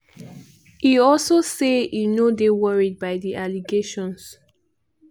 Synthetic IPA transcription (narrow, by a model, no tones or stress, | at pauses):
hiɔlsoseinodewəɹid̚baɪðiʔaliɡeʃɔ̃ns